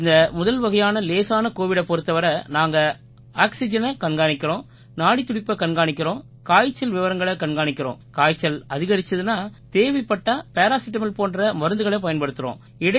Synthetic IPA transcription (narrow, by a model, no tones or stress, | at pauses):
ɪnd̪ɐmʊðɐlʋɐɣɐjaːnɐleːsaːnɐkoːʋɪɽɐpːɔɾɯt̪ːɐʋɐɾɐnaːŋɡɐ | aːksɪd͡ʒɐnɐkɐɳɡaːɳɪkːɪɾõː | naːɽit̪ːʊɽɪpːɐkɐɳɡaːɳɪkʲːɪɾõː | kaːjt͡ʃːɐlʋɪʋɐɾɐŋɡɐɭɐkɐɳɡaːɳɪkːɪɾõ̰ːkaːjt͡ʃːɐlɐðɪɣɐɾɪt͡ʃːɐðɯnaːt̪eːʋɐɪpːɐʈːɐpeːɾaːsɪʈːɐmɪlpoːndrɐmɐɾɐnd̪ɯɣɐɭepɐjɐnpɐɽɯt̪ːɯɾõ̰ː | ɪɽɐ